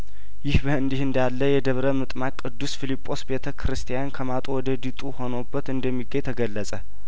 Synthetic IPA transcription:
jɪhbəɨnd̪ihɨnd̪alːəjɛd̪əβɾəmɨt̪ʼmakʼːɨd̪ːusfilipʼːo̞sbe̞t̪ʰəkʰɾɨst̪ʰijankʰəmat̪ʼuwɔd̪əd̪it̪ʼuho̞nobːət̪ɨnd̪əmːiɡəɲt̪ʰəɡəlːəsʼə

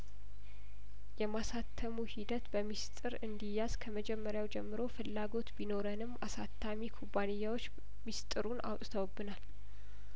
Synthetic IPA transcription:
jɛmasat̪ʰːəmuhid̪ət̪bəmist̪ʼɨɾɨnd̪ijːaz̥kʰəməd͡ʒɛmːəɾjawd͡ʒɛmːɨɾo̞fɨlːaɡo̞t̪bino̞ɾənɨmːasat̪ʰːamikʰubːanɨjːawot͡ʃː | mist̪ʼɨɾuna̰wt̪ʼt̪ʰəwbːɨnal

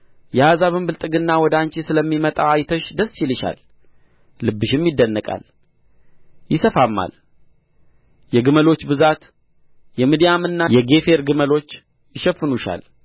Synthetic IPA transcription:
jɛazaβɨmbɨlt̪ʼɨɡɨnːawɔd̪ant͡ʃesɨləmːimət̪ʼaajt̪ʰəʃd̪əst͡ʃʰilɪʃa̰lː | ɨbːɨʃɪmjɪd̪ːənːəkʼa̰l | jɪsəfamːa̰l | jɛɡɨməlo̞t͡ʃːbɨzat̪ | jɛmid̪ijamɨnːajɛɡe̞fe̞ɾɡɨməlo̞t͡ʃː | jɪʃɛfːɨnuʃa̰l

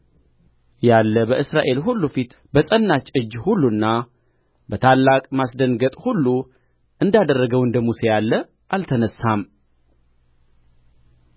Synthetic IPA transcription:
jalːəbəʔɨsɾaʔe̞lɦulːufit̪ | bəsʼənːat͡ʃʼɨd͡ʒːhulːunːa | bət̪ʰalːakʼmasd̪ənɡət̪ʼhulːu | ʔɨnd̪ad̪ərːəɡəwɨnd̪əmuse̞jalːə | ʔalt̪ʰənəsːam

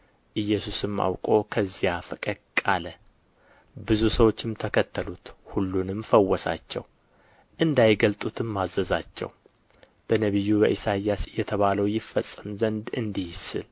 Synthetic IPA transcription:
ʔɨjːɛsusɨmːa̰wkʼo̞kʰəzːijafɨkʼɨd̪kʼalə | bɨzusəwo̞t͡ʃːɪmt̪ʰəkʰət̪ʰːəlut̪hulːunɨmfəwːɔsa̰t͡ʃːɛ̰w | ʔɨnd̪ajɡəlt̪ʼut̪ʰɨmːazəzat͡ʃːɛ̰w | b̥ənəβɨjːubəʔisajasɨjːɛt̪ʰəβaləwjɪfːəsʼːɨmzənd̪ɨnd̪ihsɨ̰l

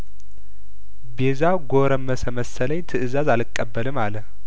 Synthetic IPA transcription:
bezaɡo̞ɾəmːəsəməsələɲt̪ʰɨʔɨzazalɨkʼːəbːəlɨmaləh

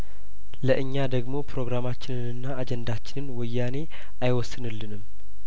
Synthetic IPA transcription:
ləʔɨɲːad̪əɡmo̞pɾo̞ɡɾamat͡ʃːɪnɨnɨnːaːd͡ʒɛnd̪at͡ʃːɪnɨnwʊjːane̞ | ʔajwɔsːɨnɨlːɨnɨm

